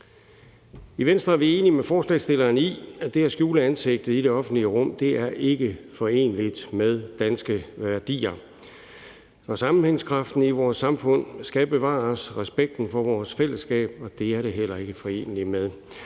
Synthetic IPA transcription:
iʋensd̥ʁɐæɐʋie̝ːnimefɒːslɛ̰sd̥e̝lɐːniæd̥e̝æsɡ̥juːləænse̝ɡ̥̚d̥ð̩ˠiɾe̝ɒ̽fn̩d̥liəʁɔ̽m̰d̥e̝ʔæɐʔe̝ɡ̥əfɒ̽e̝̰ːnlid̥með̞ˠd̥ænsɡ̥əʋæɐd̥ḭːɐ | ɒ̽sɑ̈mm̩heŋskʰʁɑ̈fd̥n̩iʋɒːsːɑ̈mfɔ̽n̰sɡ̥æb̥e̝ʋɑ̰̈ːsʁɛsb̥eɡ̥̚d̥n̩fɒ̽ʋɒːsfel̰əsɡ̥ɛ̰ːb̥ɒ̽d̥e̝æɐɾe̝ɦel̰ɐe̝ɡ̥əfɒ̽e̝̰ːnəlimeðˠ

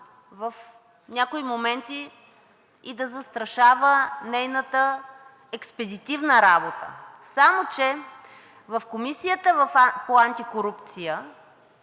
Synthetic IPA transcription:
vɐf | nʲakoimomɛnt̪iː | d̪ɐzɐst̪ɾɐʃavənɛjnət̪ə | ɛkspɛd̪it̪ivnəɾabot̪ə̰samot͡ʃɛ | vɐfkomisijət̪əvɐfpoant̪ikoɾupt̪sijə

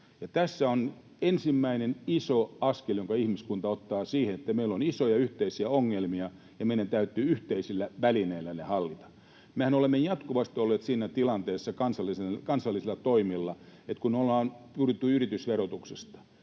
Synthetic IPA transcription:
jɑt̪æsːæon | ensimːæinenisoɑskeljoŋkɑihmiskunt̪ɑot̪ːɑːsiːhenet̪ːæmeilːonisojɑyht̪eisiæoŋːelmiɑ | jɑmeiɾænt̪æyt̪ːˑyːyht̪eisilːæʋælineilːænehɑlːit̪ɑ̥ | mehænolemːejɑt̪kuʋɑst̪iolːeːt̪siːnæt̪ilɑnt̪eːsːɑkɑnsɑlːisekɑnsɑlːisilːɑt̪oimilːɑet̪kunolːɑːnpyryt̪ːyyrit̪ysʋerot̪uksest̪ɑ̥

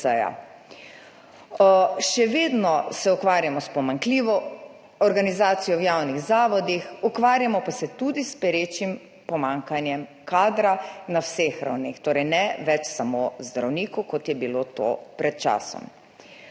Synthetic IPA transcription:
ɛja̰ | ʃɛʋeːd̪nɔsɛukʋaːɾjamɔspɔmaŋkliːʋɔ | ɔɾɡanizaːt̪sijɔwjaːwniɣzaːʋɔd̪ixukʋaːɾjamɔpasɛt̪ud̪ispɛɾeːt͡ʃim | pɔmaːŋkanjɛmkaːd̪ɾanawsexɾa̰wnixt̪oːɾɛjnɛʋɛt͡ʃsamozd̪ɾawniːkukɔt̪jɛbilot̪o̰pɾɛt̪̚t͡ʃa̰ːsɔ̰m

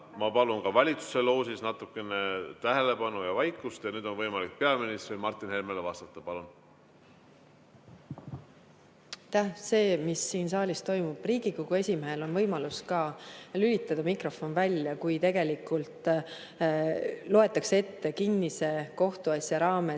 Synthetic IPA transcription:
mɑpɑlunkɑvɑlʲit̪su̥se̞lo̞ːsisnɑt̪ukːˑe̞net̪æɦele̞pɑnujɑvɑjkˑːust̪jɑnyːd̪̥o̞nvɤjmɑlik̚pe̞ɑminist̪rimɑrt̪ːˑinhelmelevɑst̪ɑt̪ːˑɑpɑlun | t̪ːæhse̞ːmisːiːnsɑːlʲist̪o̞jmub̥riːɡikoɡ̥ue̞sʲimeɦelo̞nvɤ̞jmɑluskɑlylʲit̪ːˑɑd̪̥ɑmikro̞fo̞nvælʲːjɑkujt̪e̞ɡe̞likːˑult̪ˑ | lo̞e̞t̪ːˑɑksee̞t̪ːe̞kinːise̞ko̞ht̪uɑsjɑɾɑːme̞

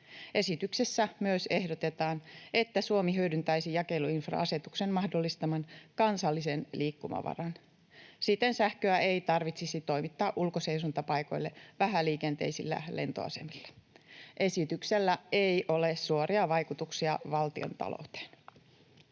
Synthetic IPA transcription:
e̞sit̪yksesːæmyøsehdot̪e̞t̪ɑːne̞t̪ːæsuomiɦydynt̪æisijɑke̞luinfrɑ̰ɑse̞t̪uksenmɑhdo̞lːist̪ɑmɑnkɑnsɑlːisenliːkːumɑ̰ʋɑ̰rɑn | sit̪ːensæhkøæʔe̞ijt̪ɑrʋit̪sisit̪o̞jmit̪ːɑːʔulkoseisunt̪ɑpɑjko̞̰jlːeʋæɦæliːkent̪e̞̰isḭlːæ̰lʔe̞̰nt̪o̞̰ɑ̰se̞milːe̥ʔe̞sit̪ykselːæejʔo̞lessuoɾiɑʋɑjkut̪uksiɑʋɑlt̪io̰nt̪ɑ̰lo̰wt̪e̥ːn

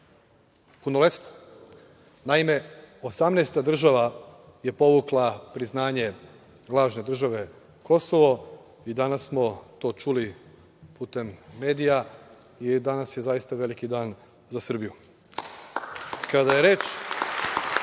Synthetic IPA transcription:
punolet̪st̪o̥ | naime̞o̞samneːst̪ad̪r̩ʒaʋa | je̞po̞ʋuklˠapɾiznaːɲe̞ | lˠaːʒne̞d̪r̩ʒaʋe̞ | kʰo̞so̞ʋo̞ | id̪anasːmo̞t̪o̞ːt͡ʃuli | puːt̪e̞mːe̞ːd̪ija | id̪anasje̞zajist̪aʋe̞likid̪aːn | zasr̩biju | kad̪aje̞ɾe̞ːt͡ʃ

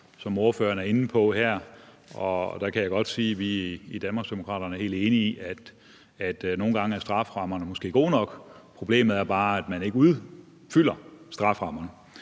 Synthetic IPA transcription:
sɒ̽mo̝ɐfø̰ːɐnæɐe̝n̩pʰɒ̽hæɐ̰ | ɒ̽d̥æ̈kʰæjɑɪɡ̥ɒ̽d̥siːʋiid̥ænmɑ̈sd̥emo̝kʰʁɑ̰̈ːɾ̥ɐnəɐhe̝̰ːld̥e̝ːniiʔæd̥ | æd̥no̝ːn̩ɡ̥ɑ̈ŋəæɐsd̥ʁɑ̈fʁɑ̈mɐnəmɒsɡ̥e̝̰ːɡ̥o̝̰ːnɒ̽ɡ̥ | pʰʁo̝b̥le̝̰ːmð̩ˠæɐb̥ɑ̈ːæd̥mæne̝ɡ̥əuðˠ | fyl̰ɐsd̥ʁɑ̈fʁɑ̈m̰ɐnə

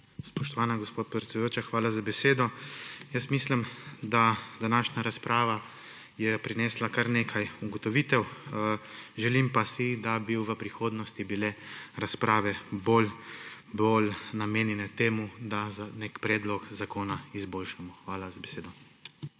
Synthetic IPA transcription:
spɔʃt̪ɔʋaːnaɡɔspoːt̪̚pɾɛt̪sɛd̪joːt͡ʃaxʋaːlazabɛseːd̪ɔjəst̪miːslimd̪ad̪anaːʃnaɾaspɾʔaːʋa | jɛpɾinɛːslakaɾneːkʰajuɡɔt̪ɔʋiːt̪ɛw | ʒɛlimpasid̪abiwʋəpɾixoːd̪nɔst̪ibilɛɾaspɾaːʋɛboːl | bolnameːnjɛnɛt̪eːmud̪azanekpɾɛːd̪lɔkzakoːnaizboːlʃamɔxʋaːlazabeseːd̪ɔ

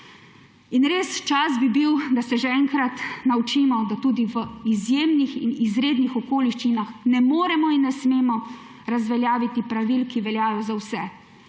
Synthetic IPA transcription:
inɾeːst͡ʃasbibiwd̪asɛʒɛɛŋkɾat̪nawt͡ʃiːmɔd̪at̪uːd̪iʋəizjeːmnixḭnizɾeːd̪nixɔkoːliʃt͡ʃinaxnɛmoːɾɛmɔinːɛsmeːmɔ | ɾazʋɛljaːʋit̪ipɾaʋilkiʋɛljaːjɔzawsɛ

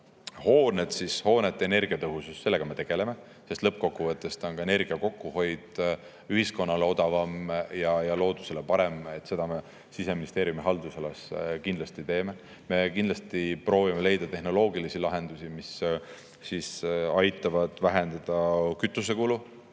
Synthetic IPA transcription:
ho̞ːned̪̥sisho̞ːne̞t̪ːˑeene̞rɡ̥iɑt̪ɤɦususse̞lːe̞ɡ̥ɑme̞t̪e̞ɡ̥e̞le̞me̞ | sest̪lɤp̚ːˑko̞kːuvɤt̪ːˑe̞st̪o̞nkɑe̞ne̞rɡ̥iɑko̞kːˑuho̞jd̪̥ | yɦisko̞nːɑle̞o̞d̪̥ɑvɑmjɑjɑlo̞ːd̪̥use̞le̞pɑɾe̞me̞t̪ːˑse̞d̪̥ɑme | sise̞minist̪e̞ːɾjumiɦɑld̪usɑleskind̪lɑst̪it̪e̞ːme̞ | me̞kind̪lɑst̪ipro̞ːvimele̞jd̪̥ɑt̪e̞ɦno̞lo̞ːɡilisilɑɦe̞nd̪̥usimisː | isɑjt̪ːˑɑvɑd̪̥væɦe̞nd̪ɑd̪̥ɑkyt̪ˑːus̬e̞kulu

